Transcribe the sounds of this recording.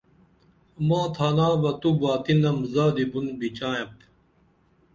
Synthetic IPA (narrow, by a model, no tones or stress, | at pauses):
mãːt̪ʰaːnaːbɐt̪ubaːt̪inɐmzaːd̪ibunbit͡ɕaːjɐp